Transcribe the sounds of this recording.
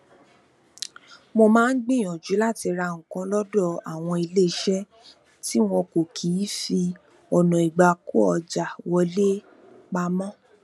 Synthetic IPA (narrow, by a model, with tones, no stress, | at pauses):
mo˧mãː˦n̩˦ɡ͡bẽ˦˨j̃ɔ̃˨d͡ʒu˨˦la˦˨ti˧ɾa˧ŋ̩̃˨kã˨˧˦lɔ˦dɔ˦˨a˨w̃ɔ̃˧i˧le˦˨˦ʃɛ˦ | ti˦w̃ɔ̃˧ko˨kʰiː˨˦fi˧ | ɔ˨nɔ̃˨i˨ɡ͡ba˨ku˦ɔ˧d͡ʒa˨wɔ˧˦le˦ | k͡pa˧mɔ̃˦